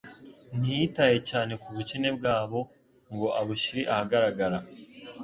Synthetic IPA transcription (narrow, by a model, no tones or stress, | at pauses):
n̥ijitaje̞caːne̞kuβucine̞b̚ɡaːβo̞ | ŋɡo̞ʔaβuʃiɾiʔahaɡaɾaɡaɾa